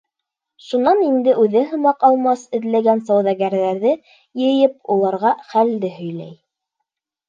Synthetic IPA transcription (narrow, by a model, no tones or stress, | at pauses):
ʃunɑnind̪ɘʔʉðɘɦɤ̆mɑqɑlˠmɑsɘ̆ðlæɡænsɑwðɑɡæɾðæɾðɘ | jɘ̆jɘpulˠɑɾʁɑχæld̪ɘɦɵ̆jlæ̰j